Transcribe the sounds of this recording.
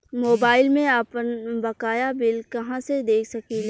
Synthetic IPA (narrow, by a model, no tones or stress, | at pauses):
moːbaːɪlmẽapənbɐkaːjabɪlkɐɦãsed̪eːkʰsɐkil